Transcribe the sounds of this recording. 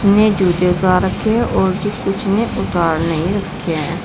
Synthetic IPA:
nẽːd͡ʒuːd̪eːʊt̪aːɾəkʰːeːʔɔːɾd͡ʒikʊt͡ʃʰnẽːʔʊt̪aːɾnəɦĩɾəkʰːeː

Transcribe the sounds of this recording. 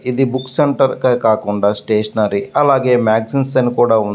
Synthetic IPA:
id̪ibukːseɳʈɐɾkɐkaːkuɳɖaːsʈeːʂɐnaːɾiɐlaːɡe̞ːmaːɡsinsɐnkuːɽaːun

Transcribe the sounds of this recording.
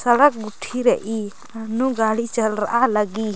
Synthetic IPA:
səɽək̚ɡuʈʰiɾəʔi | anuɡaɽit͡ʃəlɾa̰ʔaləɡi

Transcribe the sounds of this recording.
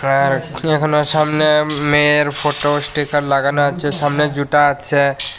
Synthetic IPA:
aɾekʰonoʃamnemeɾfoʈosʈikaɾlaɡanoat͡ɕʰeʃamned͡ʑuʈaat͡ɕʰe

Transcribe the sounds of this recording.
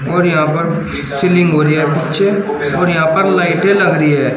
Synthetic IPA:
oːɾjɐɦãːpəɾ | sɪlɪ̃ŋɡɦoːɾiaɛpɪtːʃʰe | oːɾjɐɦãːpəɾlaːɪʈelɐɡɾiɛː

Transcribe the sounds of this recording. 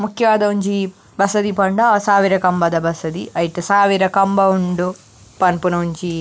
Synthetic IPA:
mukʰjɐʋaːd̪ɐuɲt͡ʃi | bɐsɐd̪ipɐɳɖɐsaːʋiɾɐkɐmbɐd̪ɐbɐsɐd̪iɐjit̪esaːʋiɾɐkɐmbɐuɳɖu | pɐnpunɐuɲt͡ʃi

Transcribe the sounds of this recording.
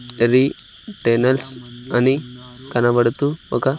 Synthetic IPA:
ɾi | ʈenəlsanikanaʋəɽt̪uo̰ka

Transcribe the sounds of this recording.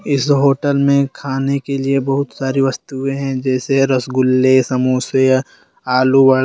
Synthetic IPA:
ɪsɦoːʈəlmẽkʰaːnekeliebɐɦʊt̪saːɾiʋɐst̪uẽɦɛ̃d͡ʒɛːseɾɐsɡʊlːesɐmuːse | aːluʋə

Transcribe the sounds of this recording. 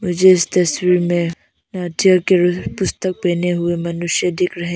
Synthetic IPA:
mʊd͡ʒʱeɪst̪ɐswiːɾmẽ | naːʈjəkepʊst̪ək̚pɛːneɦʊemɐnʊʃjəd̪ɪkɾɐɦẽ

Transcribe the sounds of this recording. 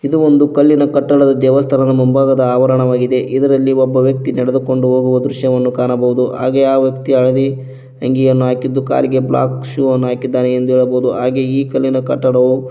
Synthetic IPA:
id̪uond̪ukɐlːinɐkɐʈːɐɽɐd̪ɐd̪ɛːʋɐst̪ʰɐnɐd̪ɐmumbaːɡɐd̪ɐaːʋɐɾɐɳɐʋaːɡid̪e̞ʔid̪ɐɾɐlːiɔbːɐʋjɐk̚t̪inɛɽed̪uko̞ɳɖuɦo̞ːɡuʋɐd̪ɾuʃjɐʋɐnːukaːnɐbɐʋud̪uɦa̰ːɡeaːʋjɐkt̪iɐɭɐd̪i | ɐŋɡijɐnːuɦaːkid̪ːuka̰ːliɡe̞bla̰ːkʃuːɐnːuɦaːkid̪ːaːneend̪uɦɛːɭɐbɐud̪uɦaːɡeiːkɐlːinɐkɐʈːɐɽɐʋu

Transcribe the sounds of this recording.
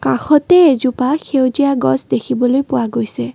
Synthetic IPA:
kã̰xɔtɛezupaxewzijaɡɔ̰zdekʰibɔlojpʊwaɡojsɛ

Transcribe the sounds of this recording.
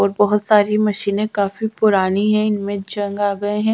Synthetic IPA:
ɔːɾbɔɦʊt̪saːɾimɐʃiːnẽkaːfipʊɾaːniɦɛ̃ɪnmẽd͡ʒɐ̃ŋɡaːɡɐeɦɛ̃ː

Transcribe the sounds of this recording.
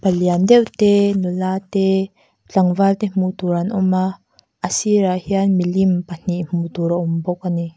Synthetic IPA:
paliand̪ɛwt̪ɛnulat̪ɛ | t͡ɬaŋvalt̪ɛm̥ut̪uɾanʔɔma | ʔəsiɾahianmilimpan̥iʔm̥ut̪uɾaʔumbɔk̚ani

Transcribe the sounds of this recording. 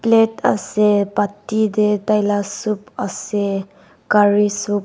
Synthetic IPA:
pleta̰sepatːidetajlasup̚ase | kaɹisup̚

